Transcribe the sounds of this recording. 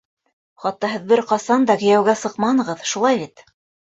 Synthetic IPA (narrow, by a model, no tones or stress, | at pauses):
χɑt̪ːɑɦɘ̆ðbɘɾqɑsɑnd̪ɑkɘ̆jæwɡæsɤqmɑnɤ̆ʁɤðʃulˠɑjβit̪